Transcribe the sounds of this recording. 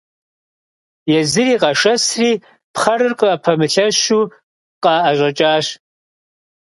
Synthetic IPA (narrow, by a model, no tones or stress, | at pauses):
jɛzɨriːqʼɐʂɐsriː | pχɐɾɨrqəpʰɐmɨɬɐɕuː | qɑʔɐʑʷʼɐt͡ʃʼaːɕ